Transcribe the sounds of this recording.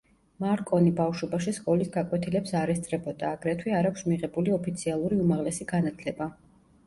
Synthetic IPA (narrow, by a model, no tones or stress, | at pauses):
maɾkʼɔnibafʃɔbaʃiskʼɔlisɡakʼwɛt̪ʰilɛpsaɾɛst̪sʼɾɛbɔd̪aːɡɾɛt̪ʰwiaɾakʰʃmiʁɛbuliɔpʰit̪sʰialˠuɾiumaʁlɛsiɡanat̪ʰlɛba